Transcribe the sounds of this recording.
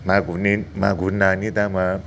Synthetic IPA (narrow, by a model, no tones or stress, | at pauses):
maɡunimaɡunanid̪ama